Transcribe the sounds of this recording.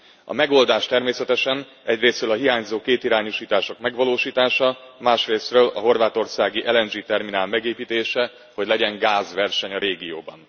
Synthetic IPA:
ɒ̰mɛɡo̞ld̪aːʃt̪ɛrmeːsɛt̪ɛʃɛn | ɛɟreːsrøːlɒɦiɦaːɲzoːkeːt̪iɾaːɲuʃiːt̪aːʃo̞kmɛɡʋɒloːʃiːt̪aːʃɒmaːʃreːsrøːlɒɦo̞rʋaːt̪o̞rsaːɡiʔɛlɛnd͡ʒiːt̪ɛrminaːlmɛɡeːpiːt̪eːʃɛ | ho̞ɟlɛɟɛŋɡaːzʋɛrʃɛɲɒɾeːɡijoːbɒ̰n

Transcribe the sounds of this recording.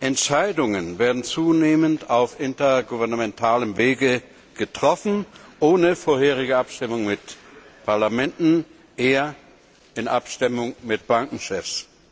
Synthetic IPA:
ʔɛntʃaɪdʊŋənveːɐdn̩t͡suːneːməntaʊfʔɪntɐɡuvɛɐnamɛntʰaːləmveːɡə | ɡ̥ətʁ̥ɔfn̩ʔoːnəfoːɐheːʁ̞ɪɡəʔapʃtɪmʊŋmɪtpʰaɐlamɛntn̩ | ʔeːɐ | ɪnʔapʃtɪmʊŋmɪt̚b̥aŋkŋ̩ʃɛfs

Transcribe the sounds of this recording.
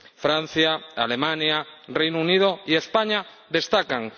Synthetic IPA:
fɾan̟θjaalemãnjarejnouniðoiespaɲa | ðe̞st̪akaŋ

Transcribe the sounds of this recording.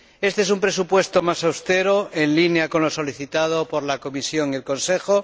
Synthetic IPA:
e̞st̪e̞esumpɾe̞supwe̞st̪o̞masawst̪e̞ɾo̞ʔe̞nlinjako̞nlo̞so̞liθit̪að̞o̞po̞ɾlako̞misjo̞ŋie̞lko̞nse̞xo̞

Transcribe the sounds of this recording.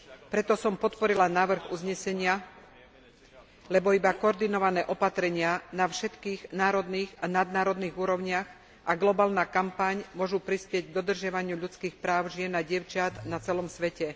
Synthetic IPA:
pɾɛt̪ɔsɔmpɔt̪pɔɾilanaːʋr̩ɣṵzɲɛsɛɲɪa | lɛbɔibakɔɔɾd̪inɔʋanɛːʔɔpat̪ɾɛɲɪanafʃɛt̪kiːɣnaːɾɔd̪niːɣanad̪naːɾɔd̪niːɣuːɾɔʊɲɪaɣ | ʔaɡlɔbaːlnaːkampaɲmʊɔʒupɾispɪɛɟɡ̚d̪ɔd̪r̩ʒɪaʋaɲɪuʎut͡skiːxpɾaːʊʒɪɛnaɟɪɛʊt͡ʃat̪nat͡sɛlɔmsʋɛcɛ

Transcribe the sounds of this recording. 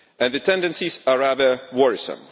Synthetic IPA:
ɨ̃nðɨtʰɛ̃ndɨ̃nsizaɹaðə˞wɔɹɪsə̰̃m

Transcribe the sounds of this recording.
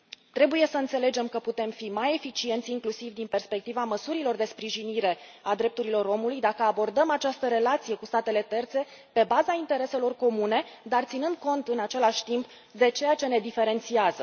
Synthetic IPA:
t̪ɾe̞buje̞səɨnt̪se̞le̞d͡ʒe̞mkəput̪e̞mfimaje̞fit͡ʃie̞nt̪sʲiŋklusivd̪inpe̞rspe̞k̚t̪ivaməsuɾilo̞rd̪e̞spɾiʒiniɾe̞ad̪ɾe̞p̚t̪uɾilo̞ɾo̞mulujd̪akəabo̞rd̪əmat͡ʃast̪əɾe̞lat̪sije̞kust̪at̪e̞le̞t̪e̞rt̪se̞ | pe̞bazaint̪e̞ɾe̞selo̞rko̞mune̞d̪art̪sinɨnd̪̚ko̞nt̪ɨnat͡ʃe̞laʃʲt̪imp | d̪e̞t͡ʃe̞jat͡ʃe̞ne̞d̪ife̞ɾe̞nt̪siazə

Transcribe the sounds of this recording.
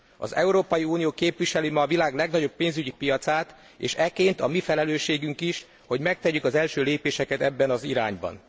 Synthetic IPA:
ɒ̰zɛuɾoːpɒjiuːnijoːkeːpʋiʃɛlymɒːvilaːɡlɛɡnɒɟo̞pːeːnzyɟipijɒt̪saːt̪ | ḛːʃɛkeːnt̪ɒmifɛlɛløːʃːeːɡyŋkiʃ | ho̞ɟmɛk̚t̪ɛykɒzɛlʃøːleːpeːʃɛkɛt̪ɛbːɛnɒziɾaːɲbɒ̰n

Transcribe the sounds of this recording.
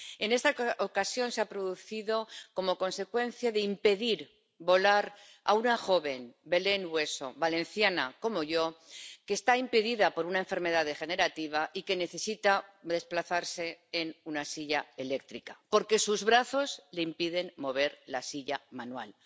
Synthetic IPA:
e̞ne̞st̪aokasjo̞nseapɾo̞ðuθiðo̞ko̞mo̞ko̞nse̞kwe̞nθjaðeimpe̞ðiɾ | βo̞laɾ | a̰unaxo̞βe̞mbe̞le̞nwe̞so̞̰βale̞nθjanako̞mo̞ʝo̞ke̞ːst̪aimpeðiðapo̞ɾunaeɱfe̞ɾme̞ðaðexe̞ne̞ɾat̪iβ̞aʔike̞ne̞θe̞sit̪aðe̞splaθaɾse̞ːnunasiʎae̞lek̚t̪ɾikapo̞ɾke̞suzβɾaθo̞zle̞impiðe̞nmo̞βe̞ɾlasiʎamanwa̰l

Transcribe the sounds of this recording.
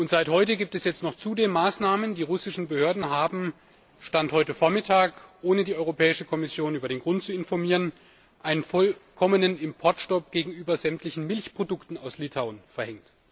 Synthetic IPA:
ʔʊntz̥aɪthɔʏtəɡiːp̚tɛsjɛt͡stnɔχt͡suːdeːnmaːsnaːməndiːʁʊsɪʃn̩bəhøːɐdn̩ɦaːbm̩ | ʃtanthɔʏtəfoːɐmɪtʰaːkʔoːnədiːʔɔʏʁopʰɛːɪʃəkʰɔmɪsjoːnʔyːbɐɾeːnɡʁʊntt͡suɪnfɔɐmiːʁ̞ən | ʔaɪnənfɔlkʰɔmənənɪmpʰɔɐtʃtɔp̚ɡ̥eːɡŋ̩ʔyːbɐzɛmtlɪçn̩mɪlçpʁ̥odʊktn̩aʊslɪtʰaʊnfɛɐhɛŋt

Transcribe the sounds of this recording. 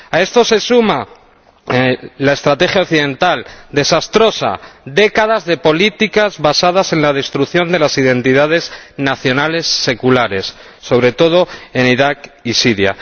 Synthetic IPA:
ae̞st̪o̞se̞suma | lae̞st̪ɾat̪e̞xjaokθiðẽ̞nt̪ald̪e̞sast̪ɾo̞sa̰d̪e̞kað̞azðe̞po̞lit̪ikazβasað̞ase̞nlað̞e̞st̪ɾuθjo̞nd̪e̞lasiðe̞nt̪iðað̞e̞znaθjonale̞sːe̞kulaɾe̞sː | o̞βɾe̞t̪o̞ð̞o̞e̞niɾakisiɾja̰

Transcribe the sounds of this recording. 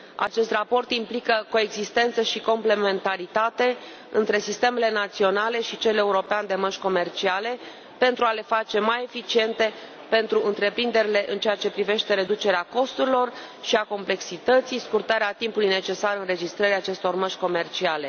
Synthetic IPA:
a̰t͡ʃe̞st̪rapo̞rt̪implikəko̞e̞ɡzist̪e̞nt̪səʃiko̞mple̞me̞nt̪aɾit̪at̪e̞ | ɨnt̪ɾe̞sist̪e̞me̞le̞nat̪sio̞nale̞ʃit͡ʃele̞uɾo̞peand̪e̞məʃʲko̞me̞rt͡ʃiale̞ | pe̞nt̪ɾuale̞fat͡ʃe̞maje̞fit͡ʃie̞nt̪e̞ | pe̞nt̪ɾuʔɨnt̪ɾe̞pɾind̪e̞ɾile̞ʔɨnt͡ʃeat͡ʃe̞pɾive̞ʃt̪e̞ɾe̞d̪ut͡ʃe̞ɾeako̞st̪uɾilo̞r | ʃiako̞mple̞ksit̪ət̪sijskurt̪aɾeat̪impulujne̞t͡ʃe̞saɾɨnre̞d͡ʒist̪ɾəɾiat͡ʃe̞st̪o̞rməʃʲko̞me̞rt͡ʃiale̞

